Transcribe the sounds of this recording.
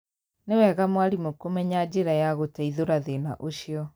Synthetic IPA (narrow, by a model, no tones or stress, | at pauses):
newɛɣamwaɾimokomɛɲad͡ʑeɾajaɣotaiðoɾaðena̰ʔoɕjɔ